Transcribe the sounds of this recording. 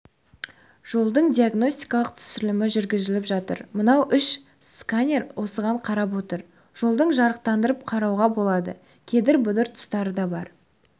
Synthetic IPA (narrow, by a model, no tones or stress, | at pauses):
ʒ̥o̞lˠd̪əɴd̪ʲijaɡno̞sʲt̪i̥jkɑlˠəq̚t̪ʰʏ̥sɪlɪmɪʒʏɾɡʲɪzɪlɪpʒɑt̪ə̰ɾmənɑwʔʏʃ | skanʲeɾwʔo̞səʁɑɴqʰɑɾɑp̬wo̞t̪əɾ | ʒ̥o̞lˠd̪əɴʒɑɾəq̚t̪ɑnd̪əɾəp̚qʰɑɾɑwʁɑbo̞lˠɑd̪ə̰ | kʲʰe̞d̪ɪɾbʊd̪əɾt̪ʰʊ̥st̪ɑɾəd̪ɑbɑɾ